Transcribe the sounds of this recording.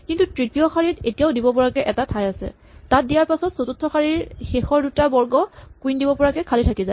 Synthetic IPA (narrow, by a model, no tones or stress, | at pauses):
kintutɹitijɔxaɹitetijaʊdibɔpɔɹakɛʔɛtatʰajasɛ̰ | tat̚dijaɹpasɔtsotutʰːɔxaɹiɹxexɔɹdutabɔɹɡɔkwindibɔpɔɹakɛkʰalitʰakizaɪ